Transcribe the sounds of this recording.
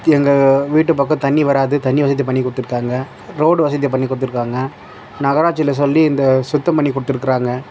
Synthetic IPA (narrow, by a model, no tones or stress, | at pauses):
ɛŋɡɐʋiːʈ̬ːɯpːɐkːɐ̃t̪ɐɳːiʋɐɾaːðɯt̪ɐɳːiʋɐsɐðɪjɐpɐɳːikːʊɽɯt̪ːɯɾɯkːaːŋɡɐ | ɾoːɽɯʋɐsɐðijɐp̬ɐɳːikʊɽɯt̪ːɯɾɯkːaːŋɡɐ | nɐɣɐɾaːt͡ʃːɪlɐs̬ɔlːiɪnd̪ɐsʊt̪ːɐmpɐɳːikʊɽɯt̪ːɪɾɯkːɪɾaːŋɡɐ